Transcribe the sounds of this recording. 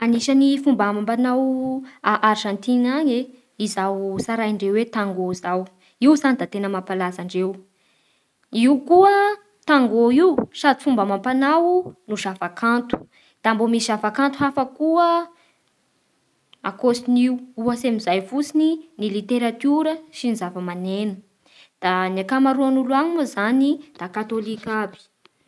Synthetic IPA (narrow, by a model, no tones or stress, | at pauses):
aniʃənifumbamampanawaʔaɾʒant̪iŋaɲe | izawsaɾajɳɖ͡ʐewet̪aŋɡozaw | iuzanid̪at̪enəmapalazaɳɖ͡ʐew | iukuə | t̪aŋɡoiwsad̪ifumbamampanawunuʃavakʰant̪u̥ | d̪̥ambomisizavakant̪uɦafəkuə | a̰kosiniwuasemizajfut͡sininilit̪eɾat̪uɾəʃinizavəmanenu̥ | d̪̥aniakamaɾuanuluaɲimuzanid̪̥akat̪olikabi̥